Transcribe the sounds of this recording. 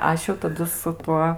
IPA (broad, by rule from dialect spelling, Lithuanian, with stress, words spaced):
ˈɐʃ jɛʊ tɐˈdʊ sʊ ˈtuɔ